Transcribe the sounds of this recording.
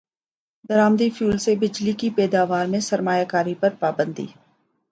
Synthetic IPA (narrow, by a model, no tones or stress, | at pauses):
d̪əɾaːmd̪ifʰjuːlsebɪd͡ʒlikipɛːd̪aːʋaːɾmẽsɐɾmaːjaːkaːɾipɐɾpaːbə̃nd̪ḭː